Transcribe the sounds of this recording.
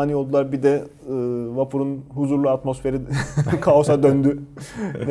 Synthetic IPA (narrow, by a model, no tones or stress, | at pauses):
aːnio̞lˠd̪ulˠaɾbid̪ɛ | ɯvapʰuɾunɦuzuɾlˠuat̪mo̞sfe̞ɾikʰaosad̪ønd̪yn